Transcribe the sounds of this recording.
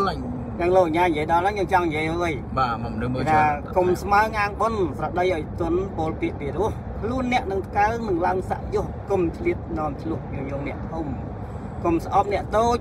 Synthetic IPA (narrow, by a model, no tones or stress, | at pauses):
rɛŋloːɲaːɲjiəjɗɑlnaŋɲjoːŋt͡ɕɑŋɲjiəjaəjɓaːmnɨməɗaːkumsmaəŋʔaːŋɓonsrɑɗəjʔaɔjt̪ʊənpoːlpiəʔpiɾŭəh | kʰluənːɛ̆əʔnɨŋt̪ʰkalnɨŋlaəŋsa̰ʔjʊ̆əhkumt̪ʰliət̪̚nŏəmtʰlʊ̆əhjoːŋjoːŋnɛ̆əʔt̪ʰum | komsʔɑp̚nɛ̆əʔt̪oː